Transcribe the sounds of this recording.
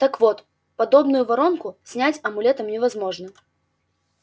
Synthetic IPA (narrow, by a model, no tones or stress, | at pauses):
t̪ɐkvɔt̪ | pad̪ɔbnʊjuvaɾɔnkʊsʲnʲat͡sʲɐmulʲɛt̪ɐmnʲɛvazmɔʐnɐ